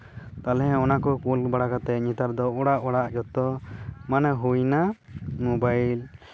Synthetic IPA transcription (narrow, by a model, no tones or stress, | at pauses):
t̪alɛɦɛ̃ɔnakɔkulbaɽakat̪ɛɲit̪aɾd̪ɔɔɽaʔɔɽaʔd͡ʒɔt̪ɔmanɛɦujnamobajl